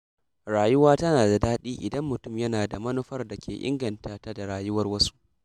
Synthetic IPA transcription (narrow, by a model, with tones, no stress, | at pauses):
ɾaː˨jʊ˦waː˦tɐ˦naː˨da˨daː˦ɗiː˦ʔɪ˨dɐ˦mːʊ˨tʊ˦˨mjɐ˦naː˨da˨mɐ˦nu˦ɸɐ˦rda˨kʲḛː˨ʔɪ̰˦ŋɡɐ˨ntaː˨ta˦da˨ɽaː˨jʊ˦wɐ˦rwɐ˦su̥˦ʔ